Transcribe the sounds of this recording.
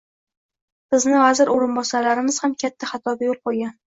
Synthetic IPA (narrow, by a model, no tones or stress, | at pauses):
sɪznɪvazɪɾoɾɪnbɒsalaɾɪmɪz̥hamkʲʰat̪ʰːaχɑt̪ʰɒbʲajolˠqojˠɡʲan